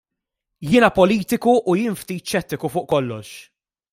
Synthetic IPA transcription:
jɪːnɐpɔliːt̪ɪkuʔːjɪːnft̪iːt̪ʃɛt̪ːɪkufʊːʔkɔlːɔʃ

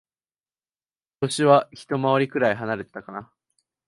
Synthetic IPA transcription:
t̪o̞ɕiβaçi̥t̪o̞maβaɾʲikɯɾaiɦanaɾe̞t̪ːakana

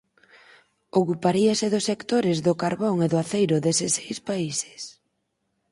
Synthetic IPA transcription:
okupaɾiasɪðʊsekt̪oɾɪzðʊkaɾβoŋeðʊaθejɾʊðesɪsejspaise̥s

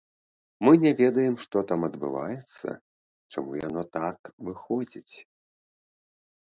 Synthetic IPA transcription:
mɨnʲɛvʲɛd̪ɐjɛmʂt̪ɔt̪amɐd̪bɨ̰va̰jɛt̪sːɐ̰ | t͡ʂamuja̰n̪ɔt̪akvɨxɔd͡zʲit͡sʲ

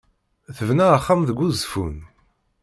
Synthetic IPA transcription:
θəvnæəχːamðəɡʷːuzfṵn

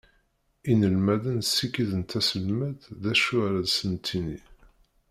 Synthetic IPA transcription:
inəlmæðənsːikiðənt̪æsəlmæððæʃʊɾæðsənt̪ʰini

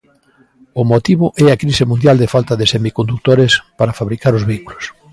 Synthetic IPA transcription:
ʊmot̪iβʊʔɛakɾisɪmũnd̪jald̪ɪfalt̪ɐðesemikond̪uk̚t̪oɾespaɾafaβɾikaɾʊzβeikulos

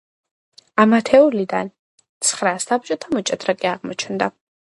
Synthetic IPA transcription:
amat̪ʰɛulid̪an | t̪sʰχɾasab̚t͡ʃʼɔt̪ʰamɔt͡ʃʼɛd̪ɾakʼiaʁmɔt͡ʃʰnd̪a

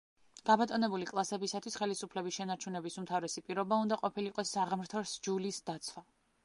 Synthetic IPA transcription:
ɡ̥abat̪ʼɔnɛbulikʼlˠasɛbisat̪ʰwisχɛlisupʰlɛbisʃɛnaɾt͡ʃʰunɛbisumt̪ʰavɾɛsipʼiɾɔbaund̪aqʼɔpʰiliqʼɔsːaʁmɾt̪ʰɔɾsd͡ʒulisd̪at̪sʰwa

